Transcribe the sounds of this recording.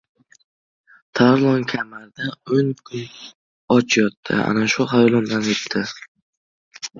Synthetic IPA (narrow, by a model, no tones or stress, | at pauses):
t̪ʰaɾlˠɒŋkʲʰamaɾd̪aonkʰʊn | ɒt͡ʃʰjɒt̪ʰːɪ̰a̰naʃʊɦajɒlˠɒmd̪anep̚t̪ʰɪ